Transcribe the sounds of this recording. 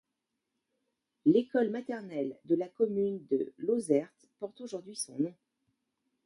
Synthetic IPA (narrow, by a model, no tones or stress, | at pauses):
lekɔlmat̪ɛʁnɛld̪əlakɔmynd̪ə̰lozɛʁt̪pɔʁt̪oʒuʁd̪ɥisɔ̰̃nɔ̃